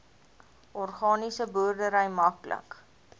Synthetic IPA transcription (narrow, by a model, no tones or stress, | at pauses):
ʔɔrχɑːnisəbuərdəɾəjmɐklə̰k